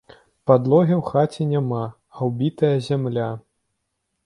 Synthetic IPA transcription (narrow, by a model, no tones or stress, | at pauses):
pad̪lˠɔɣʲɛwxat͡sʲɛnʲamaː | wbʲit̪ɐjɐzʲamlʲa